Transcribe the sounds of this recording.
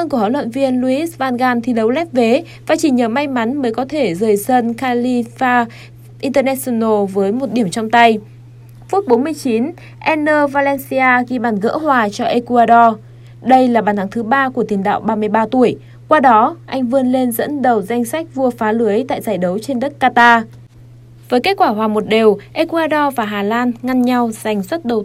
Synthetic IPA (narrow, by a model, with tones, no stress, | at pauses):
ə˧nkəha̰˧˨lwə̰˧˨nvi˧ənlu˧ʔi˦˥svaː˧nɣaː˧nt̪ʰi˨˩ɗə˨˦wlɛ˦˥p̚ve˨˦ | vaː˨˩t͡ɕi˧˩ɲəː˨˩ma˧jma˨˦nməː˨˦jkɔ˨˦t̪ʰe˧˩zəː˨˩jsə˧nxaː˧li˧faː˧ | ʔi˧nt̪əː˧nɛ˦˧˥so˧no˧vəː˨˦jmo˨˩t̚ɗi˧˩əmt͡ɕɔ˧wŋ͡mt̪a˧j | fu˦˥t̚ɓo˨˦nmɨ˧əjt͡ɕi˨˦n | ʔɛ˧nːəː˧vaː˧lɛ˧nsi˧aː˧ɣi˧˩ɓaː˨˩nɣə̰ː˧˥ɦwaː˨˩t͡ɕɔ˧ʔe˧ku˧aː˧ɗɔ˧ | ɗə˧jlaː˨˩ɓaː˨˩nt̪ʰa˨˦ŋt̪ʰɨ˨˦ɓaː˧ku˧˩ət̪i˨˩ə˩ŋɗa̰ː˧˨wɓaː˧mɨ˧əjɓaː˧t̪u˧˩əj | kwaː˧ɗɔ˨˦ʔa˧jŋ̟vɨ˧ənle˧nzə̰˧˥nɗə˨˩wza˧jŋ̟sa˦˥k̟̚vu˧əfaː˨˦lɨ˨˦əjt̪a̰ː˧˨jzaː˧˩jɗə˨˦wt͡ɕe˧nɗə˦˥t̚kaː˧t̪aː˧ | vəː˨˦ke˦˥t̚kwaː˧˩ɦwaː˨˩mo˨˩t̚ɗe˨˩wʔe˧ku˧ʔaː˧ɗɔ˧vaː˨˩ɦaː˨˩laː˧nŋa˧nɲa˧wza˨˩jŋ̟swə˦˥t̚ɗə˨˩w